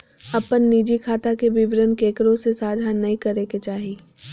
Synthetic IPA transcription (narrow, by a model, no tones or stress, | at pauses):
ɐpənːiːd͡ʒikʰaːt̪akebɪʋɾənkeːkɾõsesaːd͡ʒʱanɐɦĩkɐɾeːket͡ʃaːɦiː